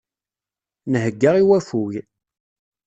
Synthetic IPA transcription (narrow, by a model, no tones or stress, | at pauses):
nəɦəɡːəʁiwæfuʝ